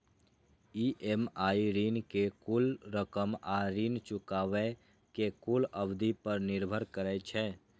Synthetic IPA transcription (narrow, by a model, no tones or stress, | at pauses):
iːʔemaːiɾiːnkekulɾəkəmaɾiːnt͡ʃʊkaːʋe | kekuləbd̪ipəɾnɪɾbʱəɾkəɾɛt͡ʃʰɛː